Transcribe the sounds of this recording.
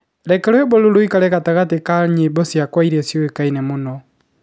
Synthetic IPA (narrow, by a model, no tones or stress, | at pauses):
ɾɛkɛɾwɛeboloɾoikaɾɛkataɣatekaɲebosjakwaiɾesjɔekainemonɔ